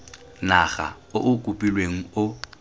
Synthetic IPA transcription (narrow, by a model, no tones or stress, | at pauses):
naχa̰ | ʊʔʊkʼupʼilweŋ̩ʊ